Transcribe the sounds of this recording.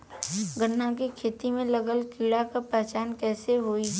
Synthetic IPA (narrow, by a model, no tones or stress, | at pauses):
ɡənːãk̬ikʰeːt̪imẽləɡəlkiːɽakapɛːt͡ʃaːnkɛːseɦoːi